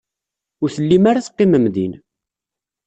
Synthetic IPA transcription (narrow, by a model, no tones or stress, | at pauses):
ʊɾθəlːimaɾaθə̥qːɪməmðin